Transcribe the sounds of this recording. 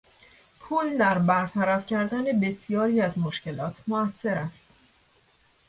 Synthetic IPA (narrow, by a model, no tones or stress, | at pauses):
pʰuːld̪æɾbæɾt̪ʰæɾæfcʰæɾd̪æne̞be̞sijɒːɾiæzmoʃce̞lɒːt̪ʰmoæsːe̞ɾæst̪